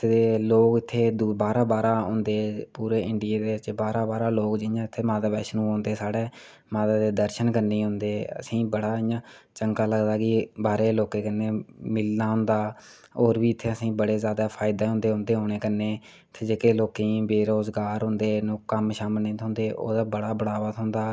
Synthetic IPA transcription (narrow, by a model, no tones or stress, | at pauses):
t̪eːloːkɪt̪ʰːeːd̪ubaːɾaːbaːɾaːɦʊ̃nd̪eːpuːɾeːɪɳɖɪjeːd̪eːɪt͡ʃbaːɾaːbaːɾaːloːkd͡ʒɪjãːɪt̪ʰːeːmaːt̪aːbɛːʃnũːɦõːnd̪eːsaːɽeː | maːt̪aːd̪eːd̪əɾʃənkəɾniːɦʊ̃nd̪eːə̰sĩːbəɽaːɪjãː | t͡ʃəŋkaːləɡd̪aːkɪbaːɾeːloːkẽːkənːeːmɪlnaːɦʊ̃nd̪aː | oːɾbiːɪt̪ʰːeːəsĩːbəɽeːzjaːd̪aːpʰaːɪd̪eːɦʊ̃nd̪eːɦʊ̃nd̪eːɦoːɽ̃eːkənːeː | t̪ʰːeːd͡ʒeːkeːloːkẽːbeːɾoːzɡaːɾɦʊ̃nd̪eːnũːkəmʃaːməlnẽːt̪ɦʊ̃nd̪eːʔo̰ːd̪aːbəɽaːbəɽaːʋət̪ɦʊ̃nd̪aː